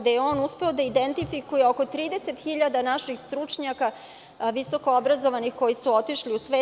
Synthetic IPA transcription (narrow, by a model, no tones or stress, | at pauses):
d̪ajeoːnuspe̞o̞d̪aid̪ent̪ifikujeoko̞t̪ɾiːd̪e̞se̞t̪xiʎad̪anaʃixst̪ɾut͡ʂɲaka | ʋiso̞koobɾazoʋanixko̞jisuo̞t̪iʃliusʋe